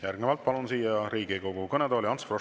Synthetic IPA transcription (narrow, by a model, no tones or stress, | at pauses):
jærɡnevɑlt̪̚pɑlunsiːjɑɾiːɡiko̞ɡ̥ukɤned̪ɑːliɑnt̪sfro